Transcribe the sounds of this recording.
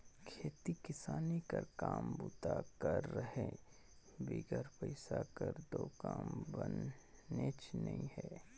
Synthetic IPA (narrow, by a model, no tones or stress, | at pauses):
kʰeːt̪ikɪsaːnikəɾkaːmbʊt̪akəɾːəɦẽ | biɡəɾpəɪsakəɾd̪oːkaːmbənet͡ʃnəĩhɛː